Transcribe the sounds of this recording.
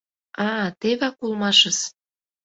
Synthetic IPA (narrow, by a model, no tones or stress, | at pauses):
ɑt̪eβɑkulˠmɑʃəs